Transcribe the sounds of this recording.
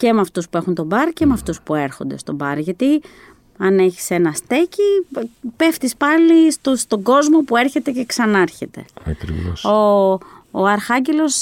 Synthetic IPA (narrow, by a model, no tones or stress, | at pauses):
ce̞meɐft̪uspue̞xunt̪o̞bɐɾce̞meɐft̪uspue̞ɾxo̞nd̪e̞̰st̪o̞bɐɾʝɐt̪i | ɐne̞çi̥se̞nɐst̪e̞cipe̞ft̪ispɐlist̪ost̪o̞ɡo̞zmo̞pue̞ɾçe̞t̪e̞ce̞ksɐnɐɾçe̞t̪e̞̰ɐ̰kɾḭvo̰soː | ɐɾxɐɲɟe̞lo̞s